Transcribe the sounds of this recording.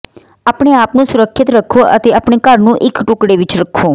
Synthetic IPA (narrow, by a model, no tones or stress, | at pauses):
aːpɳeːaːpnũːsʊɾəkʰʃɪt̪ɾəkʰːoːʔə̰t̪eːəpɳeːkəɾnũːʔɪkʈʊkɽeːʋɪt͡ʃɾəkʰːoː